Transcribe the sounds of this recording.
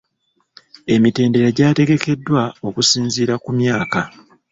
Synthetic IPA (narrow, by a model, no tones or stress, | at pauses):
e̞mite̞ːnde̞ɾaɟaːte̞ɡe̞ke̞dːwao̞kusiːnziːɾakumjaːka